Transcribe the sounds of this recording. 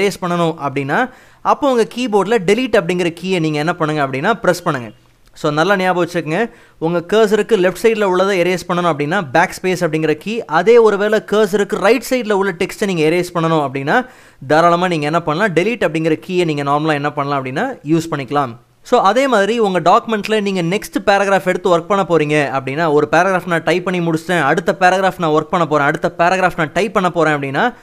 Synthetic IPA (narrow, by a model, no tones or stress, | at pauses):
ɾeːspɐɳːɐnʊ̃ʔɐpːɐɽɪnːaː | ʔɐpːõːʊŋɡɐkiːboːɖlɐɖɛliʈːɐp̬ːɐɽɪŋɡɪɾɐkiːeniːŋɡɐɛnːɐpɐɳːɯŋɡɐɐpːɐɽɪnːaːpɪɾɛspɐɳːɯŋɡɐ | soːnɐlːanɪjaːbɐʋɐt͡ʃːɯkːɯŋɡɐ | ʊŋɡɐkeːɾs̬ɪɾɯkːɯlɛfʈsɐɪʈlɐʊɭːɐðaːɛɾeːspɐɳːɐnʊ̃ɐp̬ːɐɽɪnːaːbaːkspeːsɐp̬ːɐɽɪŋɡɪɾɐkiːʔɐðeːɔɾɯʋeːlɛkeːɾs̬ɪɾɯkːɯ̃ɾɐɪʈsɐɪʈlɐʊɭːɐʈɛksʈɯniːŋɡɐɛɾeːspɐɳːɐnʊ̃ɐpːɐɽɪnːaː | d̪ɐɾaːɭɐmaːniːŋɡɐɛnːɐpɐɳːɐlãːɖɛliːʈːɐpːɐɽɪŋɡɪɾɐkiːeniːŋɡɐnaːɾmɐlaːɛnːɐpɐɳːɐlãːɐpːɐɽɪnːaːjuːspɐɳːɪkːɐlãːm | soːʔɐðeːmaːðɾiʊŋɡɐɖaːkɯmɛɳʈlɐniːŋɡɐnɛksʈɯpeːɾɐɣɾaːfɛɽɯt̪ːɯʋɐɾk̚pɐɳːɐpoːɾiːŋɡɐɐpːɐɽɪnːaːɔɾɯpeːɾɐɣɾaːfnãːʈɐɪpːɐɳːimʊɽʊt͡ʃt̪ẽːɐɽɯt̪ːɐpeːɾɐɣɾaːfnãːʋɐɾk̚pɐɳːɐp̬oːɾẽːɐɽɯt̪ːɐpeːɾɐɣɾaːfnãːʈɐɪpːɐɳːɐpoːɾẽːɐpːɐɽɪnːaː